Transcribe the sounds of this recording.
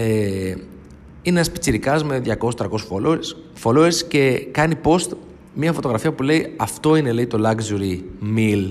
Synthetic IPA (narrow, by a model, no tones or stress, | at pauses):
e | ineɐspi̥t͡siɾikɐzme̞ðʝɐko̞sst̪ɾɐko̞suo | foloeɾsce̞kɐnipo̞st̪ | miɐfo̞t̪o̞ɣɾɐfiɐpule̞iɐft̪o̞ine̞leit̪o̞lɐɡzuɾimil